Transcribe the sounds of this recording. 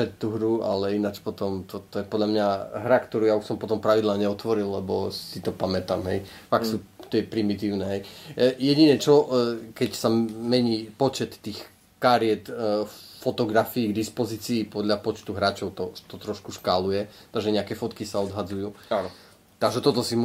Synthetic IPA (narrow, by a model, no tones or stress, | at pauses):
ɛt̪t̪uɦɾua̰lɛinat͡ʃpɔt̪ɔmt̪ɔt̪ɔjɛpɔd̪lʎamɲaɦɾakt̪ɔɾuːjauʃsɔmpɔt̪ɔmpɾaʋid̪laːɲɛɔt̪ʋɔɾillɛbɔsit̪ɔpamɛt̪amɦɛj | fakksut̪jɛpɾimit̪iːʊnɛɦɛjjɛɟinɛt͡ʃɔkɛcsamɛɲiːpɔt͡ʃɛt̪ːiːx | kaɾiɛt̪fɔt̪ɔɡɾafiːɡd̪ispɔziːt͡siːpɔd̪lʎapɔt͡ʃt̪uɦɾaːt͡ʃɔʊt̪ɔ̥t̪ɔt̪ɾɔʃkuʃkalujɛ | t̪aɡʒɛɲɛakɛfɔt̪kisaɔd̪ɦad͡zujuːa | t̪aɡʒɛt̪ɔt̪ɔsimu